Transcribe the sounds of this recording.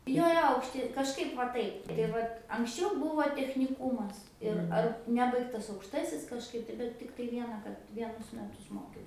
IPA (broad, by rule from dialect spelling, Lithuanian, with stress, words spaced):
ˈjoː ˈjoː ɐʊkʃʲˈtʲɪ kɐʃˈkɐɪp ʋɐ ˈtɐɪp tɐɪ ˈʋɐt ɐŋksʲˈt͡ʃʲɛʊ ˈbʊʋoː tʲɛxʲnʲɪˈkuːmɐs ɪr ˈɐr ˈnʲæːbɐɪktɐs ɐʊkʃˈtɑːsʲɪs kɐʃˈkɐɪp tɐɪ bʲɛt ˈtʲɪktɐɪ ˈʋʲiɛnɐ kɐt ˈʋʲiɛnʊs ˈmʲæːtʊs ˈmoːkʲɛʊs